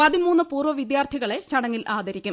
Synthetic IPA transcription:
pɐðimuːnːɨpuːrʋɐʋid̪jaːrt̪ʰiɣɐɭe̞t͡ɕɐɽɐŋːilaːd̪ʱɐɾikʲːum

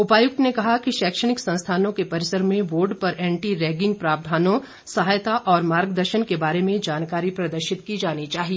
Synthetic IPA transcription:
ʊpaːjʊk̚t̪nekɐɦakiʃɛːkʃəɽ̃ɪksɐ̃nst̪ʰaːnõkepɐɾɪsəɾmẽʋoːɾɖpɐɾɛ̃ːɳʈiɾɛːɡɪ̃ŋɡ̚pɾaːbd̪ʱaːnõ | sɐɦaːjt̪aʔɔːɾmaːɾɡd̪əɾʃənkebaːɾemẽd͡ʒaːnkaːɾipɾɐd̪əɾʃɪt̪kid͡ʒaːnit͡ʃaːɦie

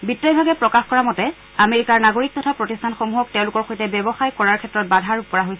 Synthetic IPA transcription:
bitɹajbʱaɡɛpɹɔkaxkɔɹamɔtɛ | ameɹikaɹnaɡoɹik̚tɔtʰapɹotistʰanxomuɦɔk̚tɛ̃ʊ̃lʊkɔɹxojtɛbɛbɔxajkɔɹaɹkʰɛtːɹɔt̚badʱaɹukɔɹaɦojsɛ

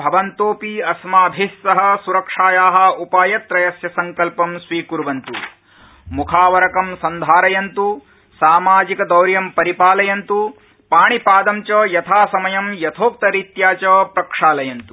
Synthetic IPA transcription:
bʱɐʋɐnt̪oːpiɐsmaːbʱissɐɦɐ̆suɾɐkʂaːjaːɦɐ̆upaːjɐt̪ɾɐjɐsjɐsɐŋkɐlpɐmsʋiːkuɾʋɐnt̪u | mukʰaːʋɐɾɐkɐmsɐnd̪ʱaːɾɐjɐnt̪u | saːmaːd͡ʒikɐd̪ɐwɾjɐmpɐɾipaːlɐjɐnt̪u | paːɳipaːd̪ɐmt͡ʃɐːjɐt̪ʰaːsɐmɐjɐmjɐt̪ʰoːk̚t̪ɐɾit̪jaːt͡ʃɐːpɾɐkʂaːlɐjɐnt̪u

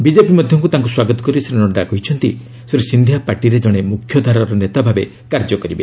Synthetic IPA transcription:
bid͡ʒepimɔd̪ʱjɔŋkut̪aŋkuswaɡɔt̪ɔ̥kɔɾiseɾenɔɳɖakɔɦit͡ʃʰɔnt̪i | seɾesind̪ʱjapaɾʈiɾed͡ʒɔɽ̃emukʰjɔd̪ʱaɾaɾɔnet̪abʱabe | kaɾd͡ʒɔkɔɾibe

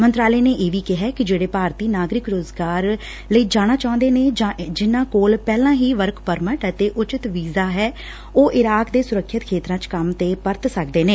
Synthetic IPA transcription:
mənt̪ɾaːləːneːʔeːʋiːkɪɦɛːkɪd͡ʒeːɽeːpaːɾt̪iːnaːɡɾɪkɾoːzɡaːɾ | ləiːd͡ʒaːɽ̃aːt͡ʃaːʊ̃nd̪eːneːd͡ʒãːd͡ʒɪnːãːkoːlpɛːlãːɦiːʋəɾkʰpəɾməʈət̪eːʔʊt͡ʃɪt̪ʋiːzaːɦɛː | oːʔɪɾaːkd̪eːsʊɾəkʰːət̪kʰeːt̪ɾãːt͡ʃkəmt̪eːpəɾt̪səkd̪eːnẽː

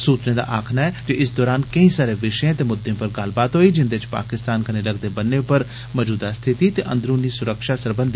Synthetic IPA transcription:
suːt̪nẽːd̪a̰ːʔaːkʰnaːɛːd͡ʒeɪs̬d̪ɔːɾaːnkəĩːsaːɾeːʋɪʃjãːt̪eːmʊd̪ːẽpəɾɡəlbaːt̪ɦoːiːd͡ʒɪnd̪eɪt͡ʃpa̰ːkɪst̪aːnkəneːləɡd̪eːbənːeːpəɾ | məd͡ʒuːd̪ast̪ʰɪt̪iːt̪eːʔə̰̃nd̪ɾũːniːsʊɾəkʃaːsəɾbə̃nd̪i

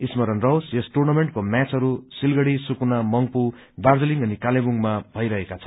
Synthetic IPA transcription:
ismʌɾʌnrʌwsesʈurnameɳʈ̚komat͡sʌɾusilɡʌɽisukunamʌŋpu | bard͡zʌliŋʌnikalebuŋmabʱʌjɾʌɦekat͡sʰʌ̥n

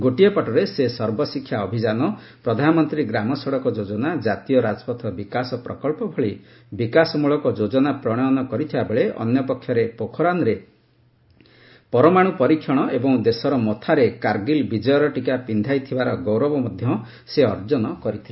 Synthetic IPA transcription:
ɡoʈijɔpɔʈɔɾesesɔɾbɔsikʰːjaɔbʱid͡ʒanɔ | pɾɔd̪ʱanɔmɔnt̪ɾiɡɾamɔsɔɽɔkɔd͡ʒod͡ʒɔnad͡ʒat̪ijɔɾad͡ʒɔpɔt̪ʰɔbikasɔpɾɔkɔlpɔbʱɔɭi | bikasɔmuɭɔkɔd͡ʒod͡ʒɔnapɾɔɽ̃ɔjɔnɔkɔɾit̪ʰibabeɭeɔ̰njɔpɔkʰːjɔɾepokʰɔɾanɾe | pɔɾɔmaɽ̃upɔɾikʰjɔɽ̃ɔebɔŋd̪esɔɾɔmɔt̪ʰaɾekaɾɡilbid͡ʒɔjɔɾɔʈikapind̪ʱajt̪ʰibaɾɔɡɔwɾɔbɔmɔd̪ʱjɔ | seɔɾd͡ʒɔnɔkɔɾit̪ʰil

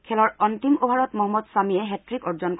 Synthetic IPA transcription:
kʰɛlɔɹɔnt̪imobʱaɹɔtmɔɦɔmːɔdsamiɛɦɛtɹikɔɹzɔnk

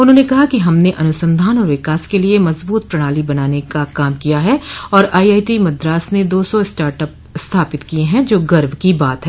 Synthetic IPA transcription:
ʊnɦõːnekɐɦakiɦɐmneʔɐnʊsə̃nd̪ʱaːnɔːɾʋɪkaːskeliemɐzbuːt̪̚pɾɐɽ̃aːlibɐnaːnekakaːmkijaɦɛɔːɾaːiaːiʈimɐd̪ɾaːsned̪oːsɔ̃ɪsʈaːɾʈəp̚ | st̪ʰaːpɪt̪kieɦɛ̃d͡ʒoːɡɐɾʋkibaːt̪ɦɛː

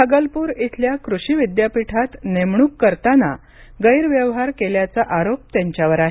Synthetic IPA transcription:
əɡəlpuːɾit̪ʰljakɾuɕiʋid̪japiʈʰat̪nemɳuːkːəɾt̪ana̰ | ɡəjɾʋjəʋɦaɾkeljat͡saʔaɾop̚t̪jaɲt͡ɕjaʋəɾaɦe

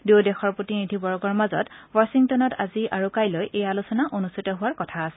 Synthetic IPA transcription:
dewdɛxɔɹpɹotinidʱibɔɹɔɡɔɹmazɔ̰twasiŋtɔnɔta̰ziʔaɹukajlojʔejalusɔnaʔonustʰitɔɦʊwaɹkɔtʰaːsɛ̥

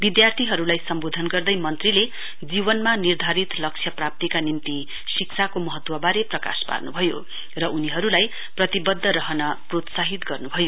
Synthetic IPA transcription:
bid̪jart̪ʰiɦʌɾulajsʌmbod̪ʱʌnɡʌrd̪ʌjmʌnt̪rile | d͡zibʌnmanird̪ʱaɾit̪lʌk̚t͡sʰjʌprap̚t̪ikanimt̪i | siksʰakomʌɦʌt̪wʌbaɾeprʌka̰spa̰rnubʱʌjo̰ | rʌʔuniɦʌɾulaj | prʌt̪ibʌd̪ʱːʌɾʌɦʌnʌprot̪saɦit̪ɡʌrnubʱʌjo

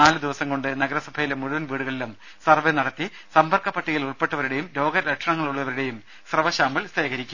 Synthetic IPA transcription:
naːlɨd̪iʋɐsɐmŋko̞ɳɖɨnɐɡɐɾɐsɐbʱɐjilemːuɻuʋɐnʋiːɽuɣɐɭilum | sɐrʋenɐɽɐt̪ːi | sɐmbɐrkɐpːɐʈːiɣɐluɭpe̞ʈːɐʋɐɾiɽe̞jumlo̞ːɡɐɾɐkʂɐɳɐŋːɐɭuɭːɐʋɐɾuɽe̞jum | srɐʋɐɕaːmɐlst̪ʰeːɣɐɾikʲːum

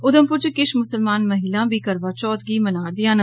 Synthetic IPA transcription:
ʊd̪əmpʊɾt͡ʃkɪʃmʊsəlmaːnməɦiːlãːbiːkəɾʋaːt͡ʃɔːt̪ɡiːmənaːɾd̪ɪjãːnə

